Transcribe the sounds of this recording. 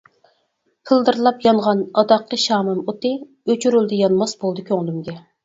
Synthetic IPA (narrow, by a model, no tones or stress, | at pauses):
pʰɨlˠd̪ɨɾlˠɑpjɑɴʁɑnɑd̪ɑqːəʃɑːmɨmot̪ɨ | øt͡ʃʰyɾyld̪ɨjɑnmɑsbolˠd̪ɨkʲʰøŋlˠymɡʲɛ